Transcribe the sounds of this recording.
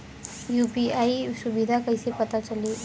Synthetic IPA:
juːpiaːisʊbid̪ʱakəisepɐt̪at͡ʃɐle

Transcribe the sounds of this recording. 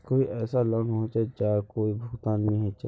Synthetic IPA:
koːiɛːsaləɦõt͡ʃɛd͡ʒaːkoːibʱʊkt̪aːnmẽɦɛ̃t͡ʃɛ

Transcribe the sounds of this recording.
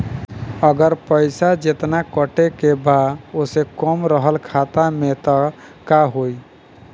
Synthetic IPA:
əɡəɾpəjsad͡ʒet̪nakəʈekebaosekɔmɾəɦəlkʰat̪amet̪ɔ | kaɦoj

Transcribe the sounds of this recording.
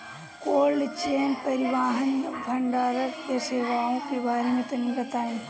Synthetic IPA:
koːlɖt͡ʃeːnpɐɾɪʋaːɦɐnbʱɐɳɖaːɾəkkeseːʋaːõkebaːɾemẽt̪ɐnĩbɐt̪aːẽ

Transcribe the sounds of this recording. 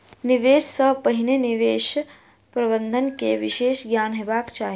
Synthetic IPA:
niʋeːʃsəpəɦineniʋeːʃ | pɾɐbənd̪ʱənkeʋiʃeːʃɡjaːnɦeːbaːkt͡ʃaːɦi

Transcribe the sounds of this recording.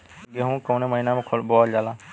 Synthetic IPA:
ɡeɦũːkoːneːməiːnãːmẽːkʰolbɔːd͡ʒaːlaː

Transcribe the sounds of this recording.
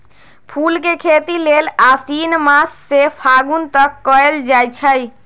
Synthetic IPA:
pʰulkekʰet̪ilelasinmasːepʰaɡunt̪əkːɔeld͡ʒat͡ʃʰəj

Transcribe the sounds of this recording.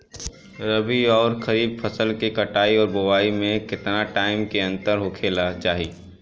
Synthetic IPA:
ɾəbiɔːɾxɐɾiːb̚pʰəsəlkekɐʈaːiɔːɾbʊwaːimẽkɪt̪naʈaːɪmkeɐ̃nt̪əɾɦʊkʰeːlat͡ʃaːɦiː

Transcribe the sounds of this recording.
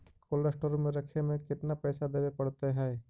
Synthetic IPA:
kʰoːləɾsʈoːɾmẽɾɐkʰemẽkɪt̪napɛːsad̪eːbepɐɽt̪eɦɛ̃ː

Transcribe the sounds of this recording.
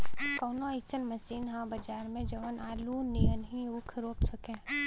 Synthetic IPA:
koːnoɪt͡ʃənmɐsiːnɦãbɐd͡ʒaːɾmẽd͡ʒɐʋənʔaːlunijənɦĩʊkʰɾoːpsɐkẽː

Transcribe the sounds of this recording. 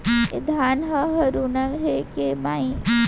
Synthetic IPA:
ḛd̪ʱaːnɦəɦəɾunəŋɦekemaĩ

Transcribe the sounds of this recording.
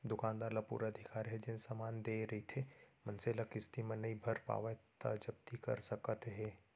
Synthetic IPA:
d̪ʊkãːnd̪aːɾlapṵːɾaəd̪ʱɪkaːɾɦɛd͡ʒɪnsamaːnd̪eːɾɐɦit̪ʰemɐnselɐkɪst̪imẽnɐĩbʱɐɾpa̰ːʋət̪a̰d͡ʒɐb̚t̪ikɐ̰ɾsəkət̪ɦɛː

